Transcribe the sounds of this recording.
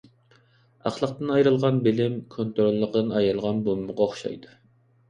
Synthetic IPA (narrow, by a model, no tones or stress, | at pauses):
ɑχlˠəqt̪ɨnɑjɾɨlˠʁɑnbɪlɪmkʰont̪ɾolˠːəqd̪ɨnɑjɾɨlˠʁɑnbomːʊʁɑoχʃɑ̰jd̪u